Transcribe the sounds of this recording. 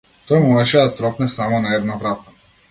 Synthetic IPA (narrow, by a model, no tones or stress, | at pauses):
t̪ɔjmumɛʃɛd̪at̪ɾɔpnɛsamɔnaɛd̪navɾat̪ḁ